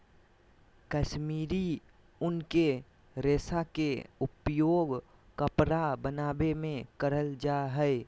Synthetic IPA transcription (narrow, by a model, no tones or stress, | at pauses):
kəʃmiɾi | ʊnke | ɾesakeupjoɡ | kəpɾabənabemẽkəɾəld͡ʒaɦəj